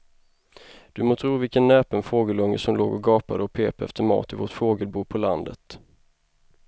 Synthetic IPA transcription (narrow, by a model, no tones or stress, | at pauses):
d̪̥ɵmoːt̪ʰɾuːvɪlkənːɛːpənfoːɡəlɵŋːə̰sɔmloːɡɔɡɑːpad̪əɔpʰeːpaɛ̰ft̪ʰəɾmɑ̰ːt̪ɪvoʈfoːɡəlbuːɾpʰɔland̪ə̰t̪